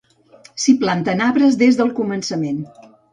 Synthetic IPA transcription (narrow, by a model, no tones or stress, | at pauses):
siplant̪ənaβɾəzðezðəlˠkumənsəmen